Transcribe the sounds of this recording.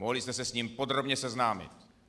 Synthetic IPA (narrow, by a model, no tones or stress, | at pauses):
oɦlist̪ɛsɛsɲiːmpod̪ɾobɲɛsɛznaːmɪ̰t̪